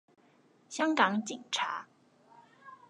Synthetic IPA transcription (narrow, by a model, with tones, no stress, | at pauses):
ɕjɑ˥ŋkɑ˨˥ŋt͡ɕi˥˨˩ŋʈ͡ʂʰa̰˧˥